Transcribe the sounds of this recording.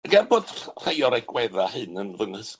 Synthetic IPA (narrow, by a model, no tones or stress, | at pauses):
əɡɛrboːd̥r̥ejɔɾɛɡ̥wɛðahɨnənvənəs